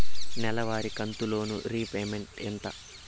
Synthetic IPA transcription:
nɛlɐʋaːɾikɐnt̪ulo̞ːnṵɾiːpeːmeɳʈɛnt̪ɐ̰

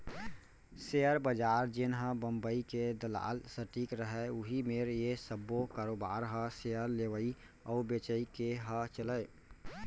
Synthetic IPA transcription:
seəɾbəd͡ʒaːɾd͡ʒenɦə̃bəmbəiked̪əla̰ːlsəʈikɾəɦɛʊɦimeɾjesəbːokaːɾoːbaːɾɦə̃seəɾleʋəi | ɔːbet͡ʃəikeɦə̃t͡ʃələj

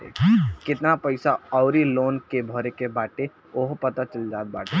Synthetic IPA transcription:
ḛkɪt̪napəɪsaɔʊɾiloːnkebʱɔɾekebaːʈe | oɦpɐt̪at͡ʃəld͡ʒaːt̪̚baːʈe

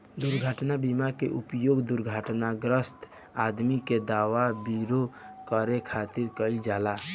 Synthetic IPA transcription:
d̪uɾɡʱəʈnabimakeʔupjoɡd̪uɾɡʱəʈnaɡɾəst̪ʰ | ad̪miked̪aʋabiɾokəɾekʰat̪iɾkəɪld͡ʒala

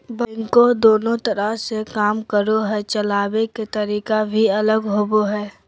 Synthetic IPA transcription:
bɪ̃ŋkod̪oːnõt̪əɾəɦsekaːmkəɾoɦɛt͡ʃəlaːbeket̪əɾiːkabʱiɐləɡɦoːboɦɛː

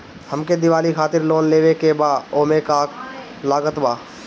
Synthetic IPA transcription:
həmked̪ɪʋaːlikʰaːt̪ɪɾloːnleːʋekebaoːmekaːk | laːɡət̪baː

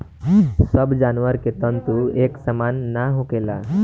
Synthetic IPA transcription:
səbd͡ʑanʋəɾket̪ə̃nt̪ueksəmanːaɦokela̰

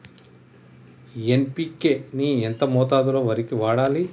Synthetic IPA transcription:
enpiːkeːnient̪ɐmɔːt̪aːd̪uloːʋɐɾikiʋaːɽaːli

